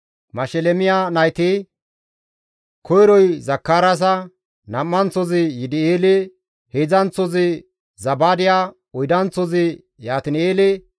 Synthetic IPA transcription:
mɐʃɛlɛmɪjanɐjt̪ɪ | kʰɔjɾɔjzɐkːaːɾɐs̬ɐ | nɐmːɐnt͡sɔzɪjɪd̪ɪeːlɛ | heːzɐnt͡sɔzɪ | zɐbaːd̪ɪjaː | ɔjd̪ɐnt͡sːɔzɪ | jaːt̪ɪneːlɛ

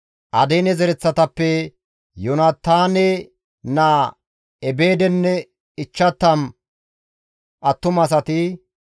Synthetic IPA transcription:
ʔɐ̰d̪ejnɛzɛɾɛt͡sːɐt̪ɐpːɛ | jonɐt̪ːaːnɛ | naː | ɛbe̞ːd̪ɛnːɛ | ɪt͡ʃːɐt̪ːɐm | ʔɐt̪ːʊmɐs̬ɐt̪ɪ

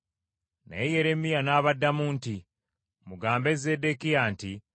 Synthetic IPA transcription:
nḛeje̞ɾe̞mːijanaːβadːamuːnti | muɡaːmbe̞ze̞dekijaːnti

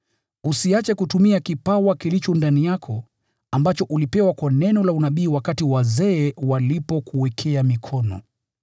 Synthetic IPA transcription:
usiat͡ʃɛkutumiakipawakilit͡ʃɔndanijakʰɔ | ambat͡ʃɔʔulipɛwakwanɛnɔlaunaɓiːwakatiwazɛːwalipɔkuwɛkʰɛamikʰɔnɔ̰

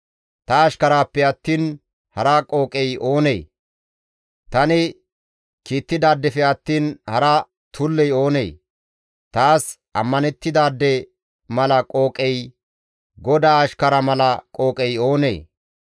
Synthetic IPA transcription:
t̪ɐːʃkɐɾaːpːɛɐt̪ːiːn | hɐɾɐkʼo̞ːkʼɛjʔo̞ːnḛː | t̪ɐnɪ | kiːt̪ːɪd̪aːd̪ːɛfɛɐt̪ːiːnhɐɾɐ | t̪ʰʊlːɛjo̞ːnḛː | t̪aːsʔɐmːɐnɛt̪ːɪd̪aːd̪ːɛ | mɐlɐkʼo̞ːkʼɛj | ɡɔd̪aːɐʃkɐɾɐmɐlɐkʼo̞ːkʼɛjo̞ːnḛː

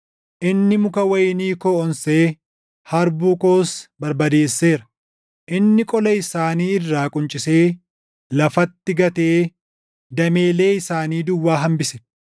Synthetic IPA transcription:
ʔɪnːɪmʊkɐwɐjniːkoːɔnseː | hɐɾbuːko̞ːsbɐɾbɐd̪e̞ːsːe̞ːɾɐ | ʔɪnːɪkʼɔlɐɪsaːniːɪrːaːkʼʊnt͡ʃʼɪse̞ː | lɐfɐt̪ːɪɡɐt̪eː | d̪ɐme̞ːle̞ːɪsaːniːd̪ʊwːaːɦɐmbɪsɛ̥

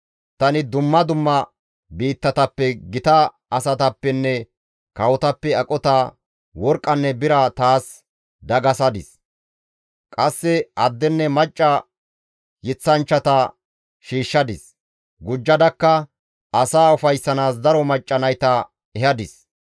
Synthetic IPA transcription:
t̪ɐnɪd̪ʊmːɐd̪ʊmːɐ | biːt̪ːɐt̪ɐpːɛɡɪt̪ɐ | ɐsɐt̪ɐpːɛnːɛ | kɐwɔt̪ɐpːɛɐkʼɔt̪a | wɔɾkʼːɐnːɛbɪɾɐt̪aːs | d̪ɐɡɐsɐd̪ɪs | kʼɐsːɛɐd̪ːɛnːɛmɐt͡ʃʼːɐ | jɪt͡sːɐnt͡ʃːɐt̪ɐ | ʃiːʃːɐd̪ɪs | ɡʊd͡ʒːɐd̪ɐkːɐ | ɐsaːʊfɐjsːɐnaːs̬d̪ɐɾɔmɐt͡ʃʼːɐnɐjt̪ɐ | ɛhɐd̪ɪs

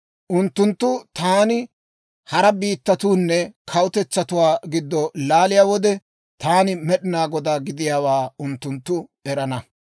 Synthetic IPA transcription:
ʔʊnt̪ːʊnt̪ːʊt̪aːnɪ | hɐɾɐbiːt̪ːɐt̪uːnːɛkʰɐwʊt̪ɛt͡sːɐt̪ʊwaːɡɪd̪ːɔlaːlɪjaːwɔd̪ɛ | t̪aːnɪmɛɗɪnaːɡɔd̪aːɡɪd̪ɪjaːwaːʊnt̪ːʊnt̪ːʊɛɾɐnɐ

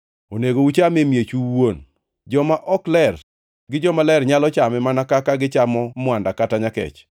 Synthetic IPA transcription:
oneɡowut͡ʃamemjet͡ʃuwon | d͡ʒɔmaʔɔklɛr | ɡɪd͡ʒɔmalɛrɲalɔt͡ʃamɛmanakakaɡɪt͡ʃamɔmʊandakataɲakɛ̰t͡ʃ

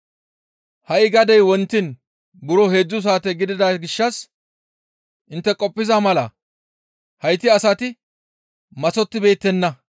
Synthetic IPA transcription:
hɐʔɪɡɐd̪ɛjwɔnt̪ːɪn | bʊɾɔhe̞ːd͡zːʊs̬aːt̪ɛɡɪd̪ɪd̪aɡɪʃːɐs | ʔɪnt̪ːɛkʼɔpʼːɪzamɐlɐ | hɐjt̪ːɪɐsɐt̪ɪ | mɐsɔt̪ːɪbe̞ːt̪ːɛnːɐ

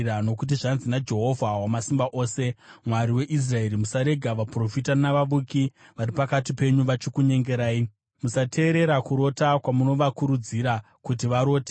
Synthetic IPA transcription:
ano̞k̬ut̬iʐanzinad͡ʒe̞ɦo̞vʱawamasimbaʔo̞ːse̞mwaɾiwe̞ʔis̬rae̞ɾimusaɾe̞ɡʱaʋapro̞fitanaʋaʋukiʋaɾipakatipe̞ɲuʋat͡ʃikuɲe̞ŋɡe̞ɾaːi | musatʰe̞ːɾe̞ɾakuɾo̞takwamuno̞ʋakuɾud͡ziɾa | kut̬iʋaɾo̞ːte

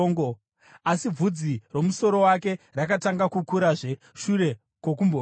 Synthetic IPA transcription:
ŋɡo | asib͡vud͡ziro̞muso̞ɾo̞wake̞rakataŋɡakukuɾaʐe̞ | ʃuɾe̞ | ko̞k̬umbo

